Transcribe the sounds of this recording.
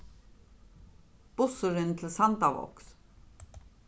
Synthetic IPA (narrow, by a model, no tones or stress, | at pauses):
b̥usuɾint̪ʰlsand̪avɔ̰ks